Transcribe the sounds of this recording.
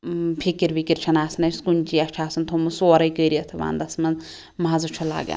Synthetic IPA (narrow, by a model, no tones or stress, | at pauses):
pʰikiɾbikiɾt͡ʃʰɐnaːsnɐjskunʲt͡ʃiɐʃʈʰaːsɐnt̪ʰomusoːɾɐjkəjɾijɐt̪ʰɐʋa̰ːnd̪ɐsmɐn | maːzut͡ʃʰula̰ːɡḛ